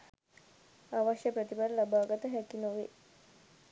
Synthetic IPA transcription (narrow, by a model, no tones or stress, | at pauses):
aʋaʃjəpɾət̪ibaɾəlabaːɡat̪əɦækinoʋḛ